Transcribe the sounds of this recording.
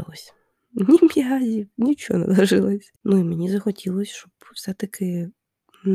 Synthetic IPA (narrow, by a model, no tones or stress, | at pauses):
lˠɔsʲ | nʲimʲjʲazʲinʲit͡ʃɔ̰nɛ̰lˠɐʒɪlˠɔsʲnuimenʲizɐxɔtʲʰilˠɔsʲʃt͡ʃɔbwsɛt̪ɐkʰɪ | n